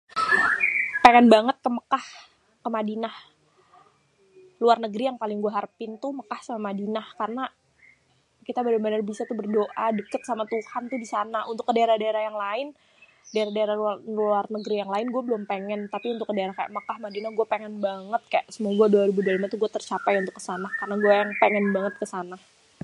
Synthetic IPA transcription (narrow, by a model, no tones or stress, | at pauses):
peŋɛnbaŋət̪̚kəməkah | kəmadinah | luarnəɡɾijaŋpalɪŋɡuaɦarpɪnt̪uməkahsamamadinahkarəna | kit̪abəɾɛmbənərbisat̪ubərdoʔadəkət̪samat̪uhant̪udisanaʔunt̪ʊkːədaeɾahdaeɾahjaŋlaɪn | daɾahdaeɾalluarnəɡɾijaŋlaɪnɡuabəlʊmpeŋɛnt̪apiunt̪ʊkːədaeɾahkaja̰ʔmakahmadinahɡuapeŋɛnbaŋət̪̚kajaʔsəmuaɡuaduaɾibudalamat̪uɡuat̪ərt͡ʃapajunt̪ʊkːə̥sanahkarnaɡuajaŋpeŋɛnbaŋət̪̚kəsanah